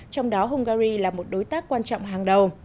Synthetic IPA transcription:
t͡ɕɔ˧wŋ͡mɗɔ˨˦ɦʊ˧ŋ͡mɣaː˧ɾi˧laː˨˩mo˨˩t̚ɗo˨˦jt̪aː˦˥kːwaː˧nt͡ɕɔ̰˧˨wŋ͡mɦaː˨˩ŋɗə˨˩w

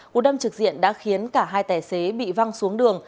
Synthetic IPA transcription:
ʔṵ˧˩ɗə˧mt͡ɕɨ˨˩k̚zḭ˧˨ənɗa̰ː˧˥xi˨˦ənkaː˧˩ɦaː˧jt̪aː˧˩jse˨˦ɓḭ˧˨va˧ŋsu˨˦əŋɗɨ˨˩əŋ

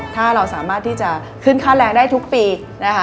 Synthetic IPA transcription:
t̪ʰaː˥˩ɾa˧wsaː˩˦maː˥˩t̪ʰːiː˥˩t͡ɕa˨˩ | kʰɯ˥˩nkʰaː˥˩t̪̚ɾɛː˧ŋdaː˥˩jt̪ʰu˦˥k̚piː˧ | na˦˥kʰ

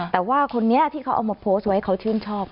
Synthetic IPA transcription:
t̪ɛː˨˩waː˥˩kʰo˧nːi˦˥ɐt̪ʰiː˥˩kʰa˦˥wʔa̰˧wmaː˧pʰoː˦˥st̪̚wa˦˥˩kʰa˦˥wt͡ɕʰɯː˥˩nt͡ɕʰɔː˥˩p̚

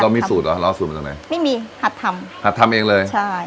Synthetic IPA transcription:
la˧wmiː˧suː˨˩t̪̚lɔ˨˩lɔː˧su˨˩m˧˩a˨˩na̰˨˦jma˥˩jmiː˧ha˨˩t̪ʰːa˧mha˨˩t̪ʰːa˧mʔeː˧ŋlɤː˧jt͡ɕt͡ɕʰa˥˩

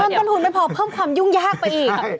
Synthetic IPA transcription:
a˧nt̪nt̪u˧˩nma˧˩pʰɔː˨˦pʰɤː˥˩mkʰwaː˧mju˥˩ŋjaː˥˩k̚pa˧jʔiː˨˩˧

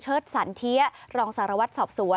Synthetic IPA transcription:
t͡ɕʰɤː˥˩t̪̚saː˩˦nt̪ʰi˦˥ɐɾɔː˧ŋsaː˩˦ɾa˧wa˦˥t̪̚sɔː˨˩p̚su˩˦ə

